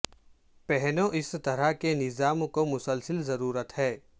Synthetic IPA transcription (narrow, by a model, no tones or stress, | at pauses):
pɛɦnõʔɪst̪ɐɾəɦkenɪzaːmkomʊsəlsəlzɐɾuːɾət̪ɦɛː